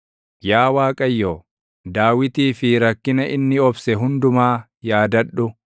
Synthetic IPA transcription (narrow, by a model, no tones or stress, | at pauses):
jaːwaːkʼɐjːoː | d̪aːwɪt̪iːfɪɾɐkːɪnɐʔɪnːɪɔbsɛɦʊnd̪ʊmaː | jaːd̪ɐᶑːʊ